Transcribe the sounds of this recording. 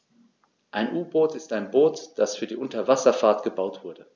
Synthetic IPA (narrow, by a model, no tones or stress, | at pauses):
ʔaɪnʔuːboːtɪstaɪnboːtd̥asfyːɐdiːʔʊntɐvasɐfaːɐtɡ̥əbaʊtv̥ʊɐdə